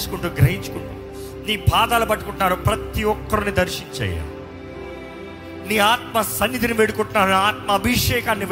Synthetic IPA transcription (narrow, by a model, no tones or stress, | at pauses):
su̥kuɳʈuːɡɾɐɦiɲt͡ʃu̥kuɳʈṵː | niːbʱaːd̪aːlubɐʈːukuɳʈunaːɾupɾɐt̪iɔkːɐɾunid̪ɐɾʂiɲt͡ʃɐ̰ja̰ | niːaːt̪mɐsɐnːid̪iniʋeɽukuɳʈunːaːɾunaːt̪̚mɐːbʱiʂɛːkaːnːiʋ